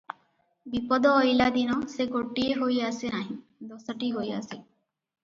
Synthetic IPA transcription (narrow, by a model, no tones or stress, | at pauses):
bipɔd̪ɔːjlad̪inɔseɡoʈieɦojasenaɦĩ | d̪ɔsɔʈiɦoja̰se